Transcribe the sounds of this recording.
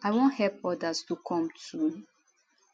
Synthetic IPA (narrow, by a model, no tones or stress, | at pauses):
aɪwõnhɛlpɔdastukʰɔ̃mtʰu